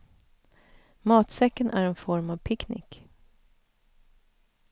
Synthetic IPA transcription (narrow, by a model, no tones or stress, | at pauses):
mɑːt̪sɛkːənʔæ̰ɾɛnfɔɾmavpʰɪknɪ̰k